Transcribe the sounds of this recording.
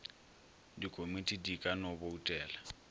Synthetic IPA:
dikʼomitʼidikʼanɔboutʼɛːla

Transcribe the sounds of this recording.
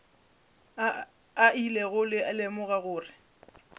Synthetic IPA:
ailɛɣʊlɪalemʊɣaɣʊːrɪ

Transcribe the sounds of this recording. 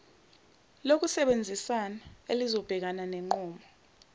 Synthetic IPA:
lok̬usɛɓend͡zʱisanaelizɔb̥ʱɛk̬ananɛŋ͡ǃɔːmɔ

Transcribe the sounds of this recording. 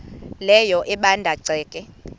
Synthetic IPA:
lɛjɔʔɛɓandʱaǀʱɛːkʼɛ

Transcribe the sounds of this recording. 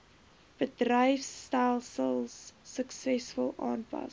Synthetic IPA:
b̥ədrəjfstælˠsəlˠsːəksɛsfəlˠʔɑ̰ːnpɐ̰s

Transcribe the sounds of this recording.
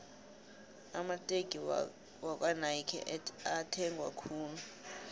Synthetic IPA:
amatʼeɡ̥ʱi | wak̬ʼwanajkʰɛ̰atʰɛŋɡʱwa̰kʰuːnu

